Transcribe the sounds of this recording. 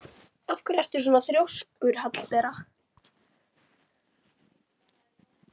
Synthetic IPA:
afkʏɾɛst̪ʏ̥ɾ̥s̬ɔːnaθɾjowskʏɾ̥hat̪lpɛːɾa

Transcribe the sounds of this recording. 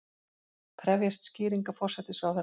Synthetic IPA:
pʰɾɛvjast̪sciːɾiŋkafɔr̥sɛt̪ɪsawθɛ

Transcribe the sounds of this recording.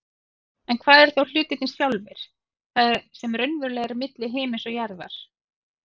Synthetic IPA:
ɛnkʰvaːðɛɾ̥θowl̥ʏːt̪ɪt̪ɪnsθjawlvɪɾ̥ | θaðɾsɛmɾœɥnvʏɾlɛːɣaɾimɪt̪lɪɦeːmɪnsɔɣjaɾða̰ɾ̥

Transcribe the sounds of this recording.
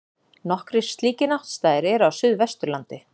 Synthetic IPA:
nɔhkɾɪ̥st̪liːcɪnawht̪st̪aːjðɪɾɛɾawsʏðvɛst̪ʏɾlant̪ɪ

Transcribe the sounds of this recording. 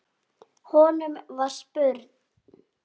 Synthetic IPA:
hɔːnʏmvar̥spœɾt̪n

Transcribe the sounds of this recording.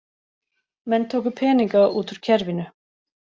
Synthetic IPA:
mɛnːt̪ʰoːwkʏ̥pʰɛːniŋkauːt̪ʏɾ̥cʰɛɾvɪnʏ

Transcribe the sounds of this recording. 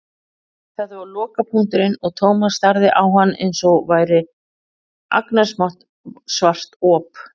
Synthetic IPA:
θaðavaɾlɔːkapʰuŋ̥t̪ʏɾɪnɔɣt̪ʰoːwmast̪aɾðɪʔawɦanːḛjnsɔɣvaːjɾɪ | ʔa̰knḁsmaht̪ | svar̥t̪ɔːp

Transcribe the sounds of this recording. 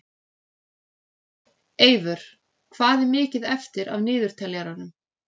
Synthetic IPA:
eːjvʏɾ̥ | kʰv̥aːðɛɾmɪːcɪðɛft̪ɪɾa̰vnɪːðʏɾ̥t̪ʰɛljaɾanʏm

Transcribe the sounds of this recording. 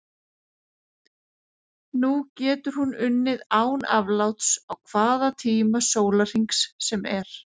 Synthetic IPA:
nucɛːt̪ʏɾ̥hunʏnːɪðaːwnavlawt̪sawkʰvaːðat̪ʰiːmasoːwlar̥iŋksːɛmɛɾ̥

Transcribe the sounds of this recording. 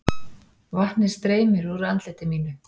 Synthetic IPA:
vaht̪nɪ̥st̪ɾeːjmɪɾuɾant̪lɛt̪ɪmiːnʏ

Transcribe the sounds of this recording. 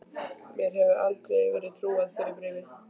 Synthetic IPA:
mjɛɾɦɛvʏɾʔalt̪ɾɛjvɛːɾɪðt̪ʰɾuːaðfɪːɾɪɾpɾɪːvɪ̥

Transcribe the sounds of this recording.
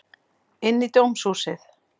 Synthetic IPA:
ɪnːit̪owmsuːsɪθ

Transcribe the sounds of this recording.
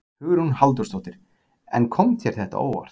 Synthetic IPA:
hʏɣʏɾhunhalt̪̬ʏɾst̪owt̪ɪɾ̥ | ɛ̰nkʰɔmt̪ʰjɛɾ̥θɛht̪a̰o̰ːwva̰r̥t̪

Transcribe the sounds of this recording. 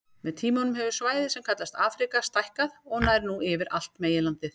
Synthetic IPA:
mɛðt̪ʰiːmɔnʏmɦɛvʏɾ̥svaːjðɪsɛmkʰat̪last̪aːfɾikast̪ajhkaðɔɣnajɾnuʔɪvɪɾʔa̰l̥t̪meːjɪlant̪ɪθ

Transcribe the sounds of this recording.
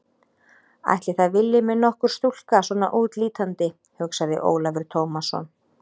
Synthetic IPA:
a̰jht̪lɪθaðvɪlːɪmɛðnɔhkʏɾ̥st̪ul̥kaswɔːna̰ʔuːt̪liːt̪ant̪ɪ | hʏksaðɪ̰ʔo̰ːwlavɛɾ̥t̪ʰoːwmasɔ̰n

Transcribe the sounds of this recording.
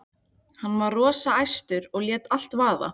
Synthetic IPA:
hanːvaðrɔːsaajst̪ʏɾɔɣljɛːt̪al̥t̪vaːða̰

